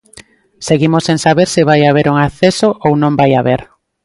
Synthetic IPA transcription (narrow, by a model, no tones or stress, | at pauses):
seɣimosẽŋsaβeɾsɪβajaβ̞eɾuŋaθesoʔownõmbajaβeɾ